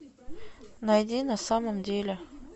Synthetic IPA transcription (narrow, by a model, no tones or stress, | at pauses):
nɐjdʲinɐsaməmdʲelʲɪ